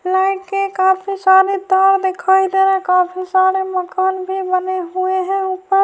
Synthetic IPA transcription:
laɪʈkekaːpʰisaːɾed̪aːɾd̪ekʰaːid̪eːɾɛkaːpʰisaːɾeməkaːnbʱibəneɦueɦɛ̃upəɾ

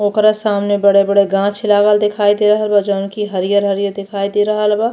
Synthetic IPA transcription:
oːkɾasaːmnebəɽebəɽeɡãːt͡ʃʰlaːɡəld̪ɪkʰaːid̪eɾəɦəlbad͡ʒəːnkiɦəɾijəɾɦəɾijəɾd̪ɪkʰaːid̪eɾɐɦəlba

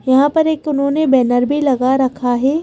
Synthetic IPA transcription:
jɐɦãpɐɾeːkʊnɦõːnebɛːnəɾbʱilɐɡaɾɐkʰaɦɛː

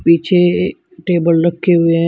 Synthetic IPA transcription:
piːt͡ʃʰe | ʈeːbəlɾɐkʰːeɦʊeɦɛ̃

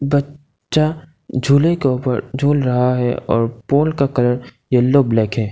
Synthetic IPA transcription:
bɐ | t͡ʃa | d͡ʒʱuːlekeoːpə̰ɾd͡ʒʱuːlɾɐɦaɦɛɔ̰ːɾpoːlkakɐləɾ | jeloːblɛːkɦɛː

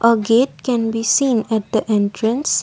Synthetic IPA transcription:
ʔəɡeʈ̚kɛ̃nbisĩːnɛʈ̚d̪əʔɛ̃nʰɾə̃ns

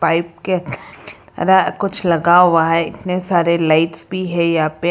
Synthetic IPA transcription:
paːɪp̚ke | ɐ̰ɾakʊt͡ʃʰlɐɡaɦʊʋaɦɛɪt̪nesaːɾelaɪʈsbʱiɦɛjɐɦaːpe

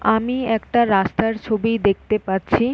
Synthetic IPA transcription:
amiɛk̚ʈaɾast̪aɾt͡ɕʰobid̪ek̚ʰt̪epaɾt͡ɕʰi

